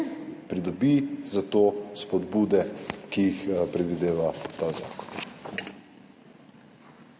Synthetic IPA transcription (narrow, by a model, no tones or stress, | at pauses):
pɾid̪ɔbizat̪ospɔd̪buːd̪ɛkijixpɾɛd̪ʋid̪eːʋat̪aza̰ːkɔ̥n